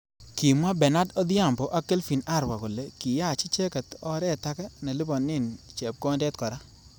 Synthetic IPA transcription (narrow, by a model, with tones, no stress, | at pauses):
ki˨ma˦bɛ˨na˦dɔ˦d̪ɪ˦a˦˨mbɔ˨ʔa˦ke˦lfi˨na˦˨ɾwa˨kɔ˨le˨ki˨ja˦˨t͡ʃi˦t͡ʃe˦ka˨t̪ɔ˦ɾɛ˦˨ta˦kɛ˦na˨li˦bɔ˨nːɪ˦nt͡ʃe˨p̚kɔ˦ndɛ˦t̪kɔ˨ɾa˦